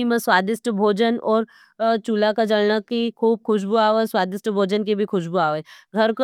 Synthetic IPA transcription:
imẽswaːd̪ɪsʈ̪bʱoːd͡ʒənɔːɾ | t͡ʃuːlakad͡ʒɐlnakikʰuːb̚xʊʃ̬buaːoeswaːd̪ɪstʈ̪bʱoːd͡ʒənkibʱixʊʃbuaːʋeɡʱɐɾko

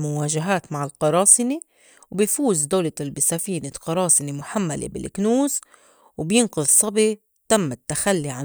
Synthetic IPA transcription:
mʊwaːʒaɦaːt̪maʕɪlqɑɾˤɑːsɨni | wbɪjfuːzd̪aːlalbɪsafiːnɪlqɑɾˤɑːsɪnimʊħamːalḛbɪ̰lʔɪknuːz | wbjɪnqʊðˤsˤɑbi | t̪amːɪt̪ːaxalːiʕa

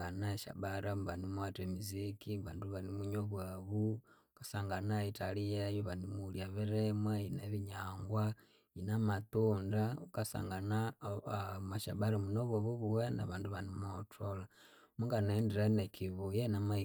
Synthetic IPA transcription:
anaeʃa̰βaɾʔamβanimuatemizikiβaːnduβanimuɲoβwaβu | kasaŋɡanaitalijejoβanimuljaβeɾemweineβiɲaːŋɡwa | inamatundaukasa̰ŋɡana | maʃaβaɾamunoβaβuβuwena̰βaːnduβanimotʰola | muŋɡanendiɾanekʰiβojenamai

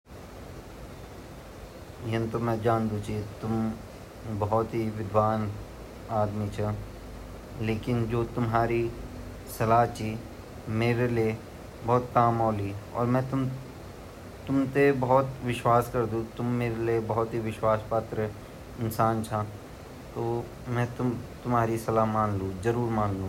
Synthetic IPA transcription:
jɐnt̪omɛ̃d͡ʒaːnd̪ũt͡ʃʰit̪ʊm | bɐɦɔt̪ɦiʋɪd̪ʱʋaːn | aːd̪mit͡ʃʰɐ | leːkɪnd͡ʒoːt̪ʊmɦaːɾi | sɐlaːt͡ʃi | meːɾelie | bɔːt̪kaːmɔːliɔ̰ːɾmɛ̃ːt̪ʊm | t̪ʊmt̪ebɐɦɔt̪ʋɪʃwaːskɐɾd̪ũt̪ʊmːeːɾeliebɐɦɔt̪ɦiʋɪʃwaːspat̪ɾə | ɪnsaːnt͡ʃʰã | t̪oː | mɛ̃t̪ʊt̪ʊmɦaːɾisɐlaːmãːnlũːzɐɾuːɾmãːnlũː

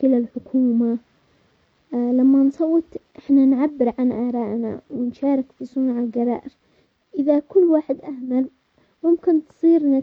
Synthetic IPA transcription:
kɪlalħʊkʰuːma | lamːansˤɑwːɪt̪ʔɪħnanʕabːɪɾʕanʔaːɾˤɑːʔna̰wɪnʃaːɾˤɪkfisˤunʕalɡɑɾˤɑ̰ːʔɪɾ | ʔɪðakʊlːwaːħɪd̪ʔahmal | mʊmkɪnt̪sˤiːɾna

